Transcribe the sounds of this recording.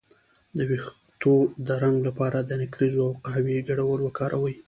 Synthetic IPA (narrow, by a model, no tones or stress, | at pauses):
d̪əwix | t̪od̪əɾaŋɡlapɑɾad̪ənakɾizoawqaɦwiɡaɽawəɾwəkɑɾʔawəj